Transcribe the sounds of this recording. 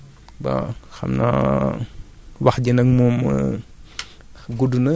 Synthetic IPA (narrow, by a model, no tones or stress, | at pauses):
bɐ̰xɐ̰mna̰ | wɐxɟinɐk̚mɔːmɐ̰ | ɡudunɐ